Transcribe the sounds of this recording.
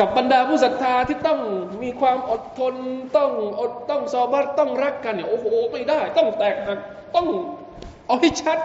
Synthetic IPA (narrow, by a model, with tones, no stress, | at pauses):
ka˨˩p̚ɓa˧ndaː˧pʰuː˧˩sa˨˩t̪̚ʰːaː˧t̪ʰiː˧˩t̪ɔ˥˩ŋmiː˧kʰwaː˧mʔo˨˩t̪̚t̪ʰːo˧nt̪ɔ˧˩ŋʔo˨˩t̪̚t̪ɔ˧˥˩ŋsɔː˧˦ba˦˥˩t̚t̪ɔ˧˥˩ŋɾa˦˥k̚ːa˧nːi˧˩˨ʔoː˧˩hoː˧ma˧˥˩jdaː˥˩jt̪ɔ˥˩ŋt̪ɛː˨˩k̚ɦaː˨˩ | t̪ɔ˥˩ŋ | ʔa˧ha˧˥˩jt͡ɕʰa˦˥t̪̚